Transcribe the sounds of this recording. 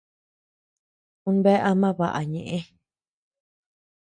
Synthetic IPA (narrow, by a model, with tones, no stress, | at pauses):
ũ˧˦nbe˦ʔa˧mã˦βa˨ʔa̰˨ɲẽ˨ʔẽ˦